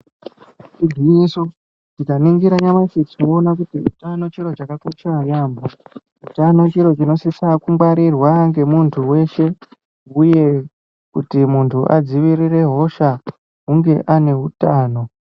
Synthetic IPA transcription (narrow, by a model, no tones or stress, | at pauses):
t͡ʃid͡ziːso | tikaniŋɡiɾaɲamasit͡soonak̬utiṵtano̞t͡ʃiɾo̞t͡ʃakakot͡ʃajaːmbo | utano̞t͡ʃiɾo̞t͡ʃino̞sisakuŋɡwaɾirwaŋɡe̞muntʰuwe̞ʃe̞ | uje̞ | kutimuntʰuʔad͡ziʋirire̞ɦo̞ʃa | ɦuŋɡe̞ʔane̞ɦutaːno̞